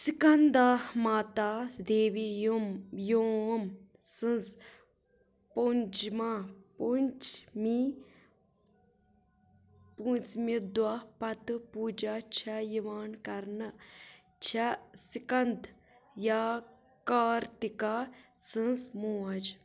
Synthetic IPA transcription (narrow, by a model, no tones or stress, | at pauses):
sikɐnd̪amaːt̪aːd̪eːʋi | joːm | sɨ̃nz | pond͡ʒmapunt͡ʃmi | punt͡smid̪wɐpɐt̪ɨpuːd͡ʒat͡ʃʰɐjiʋaːnkɐɾnɨ | t͡ʃʰɐsikɐnd̪ | jaː | kaːɾt̪ika | sɨ̃nzmoːɐd͡ʒ